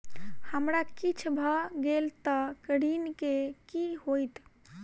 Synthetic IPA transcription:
həmɾakit͡ʃʰbʱəɡelt̪əkəɽinkekiɦojt̪

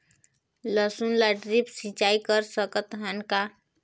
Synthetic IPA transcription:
ləsunlaɖɾipsĩt͡ʃaikəɾsəkət̪ɦənka

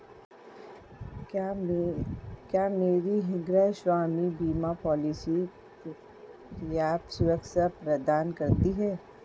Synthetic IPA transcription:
kjaːmeːɾiɦɪ̃ŋɡɾaʃwaːmibiːmapɔːlɪsi | ke | ɾɪjaːbsʊɾəkʃapɾɐd̪aːnkɐɾt̪iɦɛː

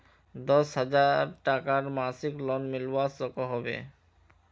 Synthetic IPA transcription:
d̪ɔsɦad͡ʑaɾʈakaɾmasiklɔnmilwasɔkoɦɔbḛ

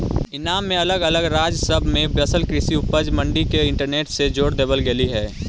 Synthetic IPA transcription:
ɪnaːmːẽɐləɡələɡɾaːd͡ʒsəbʱmẽbɾəsəlkɾɪsiʊpəd͡ʒmə̃ɳɖikeɪ̃ɳʈəɾneːʈsed͡ʒoːɽd̪eːbəlɡeliɦɛː

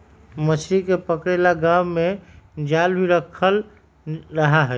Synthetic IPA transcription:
məsʰɾikepəkɾelaɡamːed͡ʒalbiɾəkʰəl | ɾəɦaɦɛ

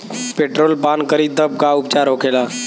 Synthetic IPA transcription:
peːʈɾoːlpaːnkəɾid̪ʱəp̚kaʊp̚t͡ʃaːɾɦoːkʰeːlaː

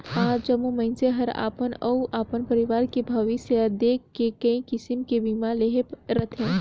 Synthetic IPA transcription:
hãːd͡ʒɐmumɐɪnseɦɐɾa̰ːpənɐuʔaːpənpɐɾɪʋaːɾkebʱɐʋisd̪eːkʰːekɐĩkɪsɪmkebimaleɦepɾɐt̪ʰẽː

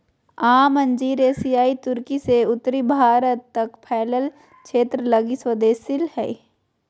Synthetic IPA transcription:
aːmə̃ɲd͡ʒiːɾeːsijaːit̪ʊɾkiseʊt̪ːɾibʱaːɾət̪ːɐkpʰɛːləl | t͡ʃʰeːt̪ɾələɡiswəd̪eːsɪlhɛ̰ḭ

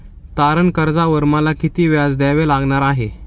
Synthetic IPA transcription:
t̪aɾəɳkəɾd͡zaʋəɾmalakit̪iːʋjad͡zd̪aʋelaɡɳaɾaɦe

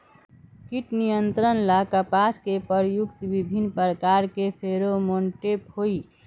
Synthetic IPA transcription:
kiʈnijənt̪ɾənlakəpaskepəɾjukt̪ʋibʱinːpəɾkaɾkepʰeɾomoɳʈepoi

